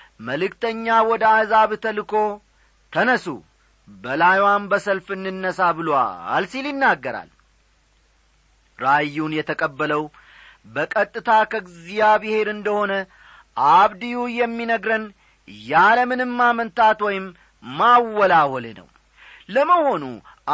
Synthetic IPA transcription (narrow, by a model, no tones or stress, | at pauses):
məlɨkt̪ʰəɲːawɔd̪əahzaβt̪ʰəlɨkʰo̞ | t̪ʰənəsṵ | bəlajwanbəsəlfɨnːɨnːəsabɨloa̰lsiljɪnːaɡːəɾa̰l | ɾajːunjɛt̪ʰəkʼəbːələw | bəkʼət̪ʼːɨt̪ʰakʰəɡzijabɨhe̞ɾɨnd̪əho̞nə | ʔaβd̪ijujɛmːinəɡɾən | jaləmɨnɨmːamənt̪ʰat̪wɔjɪmː | awːɔlawɔlnə̰w | ləməho̞nṵ